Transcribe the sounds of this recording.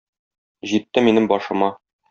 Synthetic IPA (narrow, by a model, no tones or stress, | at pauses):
ʑit̪ːɘminɘmbɒʃɤ̆mɑ